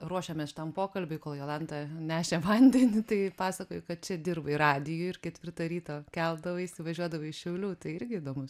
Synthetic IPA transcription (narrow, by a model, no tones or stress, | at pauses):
ruɔʃʲɛmʲɛsʃʲɪt̪ɐmpoːkɐlʲbʲʊɪkoːlˠjoːlˠɐnd̪ɐnʲæːʃʲɛʋɐnʲd̪ʲɛnʲɪt̪ɐɪpɑːsɐkoːjʊkɐt̪̚t͡ʃʲɛd̪ʲɪrbɐɪrɑːd̪ʲɪjʊːɪrkʲɛt̪ʲʋʲɪrt̪ɐɾʲiːt̪oːkʲɛlˠd̪ɐʋɐɪsʲɪʋɐʒʲuɔd̪ɐʋɐɪʃʲɛʊlʲuːt̪ɐɪɪrʲɡʲɪid̪oːmʊs